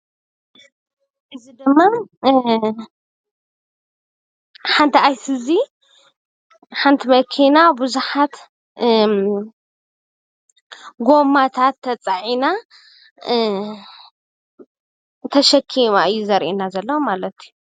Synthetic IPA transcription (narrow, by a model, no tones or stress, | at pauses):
ʔɨzid̪ɨmːa | ħant̪ʰiajsɨzi | ħant̪ʰimɐkʰinabuzuħat̪ | ɡo̞mːat̪ʰat̪ʰːɐt͡sʼaʕina | t̪ʰɐʃɐkʰːimaʔɨjːuzɐɾʔinazɐlːɐwmalɐt̪ʰiju